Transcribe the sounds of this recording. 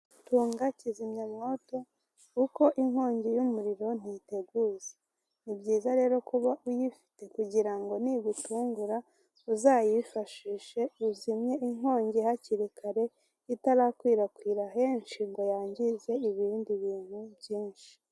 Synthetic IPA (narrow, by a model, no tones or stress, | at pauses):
tuːŋɡacizimɲamŋo̞ːto̞ | uko̞ʔiŋho̞ːɲɟejumuɾiɾo̞n̥ite̞ɡuːze | nibɟiːzaɾe̞ːɾo̞kuβaʔujifi̥te̞kuɟiɾaŋɡo̞niβutuːŋɡuɾa | uzaːjifaʃiːʃe̞uzimɲe̞iŋho̞ːɲɟehaciɾikʰaɾe̞ | itaɾaːkwiːɾakwiːɾaɦe̞nʃiŋɡo̞jaːɲɟize̞iβiːndiβiːn̥hubɟiːnʃi̥